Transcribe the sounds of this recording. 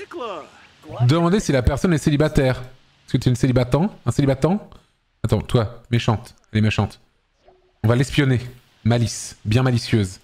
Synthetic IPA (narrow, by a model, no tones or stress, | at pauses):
d̪əmɑ̃d̪esilapɛʁsɔnɛselibat̪ɛʁ | ɛskət̪yɛynselibat̪ɑ̃ɛ̃selibat̪ɛ̃ | at̪ɑ̃t̪wameʃɑ̃t̪ɛlɛmeʃɑ̃t̪ | ɔ̃valɛspjɔne | malisbjɛ̃malisjøz